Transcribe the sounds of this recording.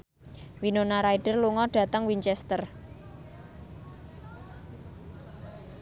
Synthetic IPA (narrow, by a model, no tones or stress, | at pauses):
winonaɾaiɖ̥ə̤rluŋɔɖ̥ä̤t̪əŋwiɲt͡ʃɛst̪ər